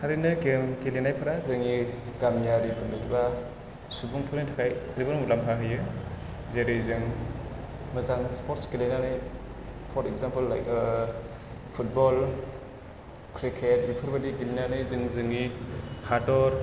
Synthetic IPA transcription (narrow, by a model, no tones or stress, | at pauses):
haɾinɯɡemɡilinajpʰɯɾazɯŋiɡ̥amjaɾikʰɯnɯziba | subuŋpʰɯɾnɯtʰakʰajlibɯnmulampʰaɦɯjɯ | zeɾɯzɯŋ | mɯzaŋspʰɔɾtsɡilinanɯj | pʰɔɾtek̚zampɯlːa̰jk | pʰut̚bɔl | kʰɾikʰet̚bipʰɯɾbadiɡilinanɯjzɯŋzɯŋihadɔɾ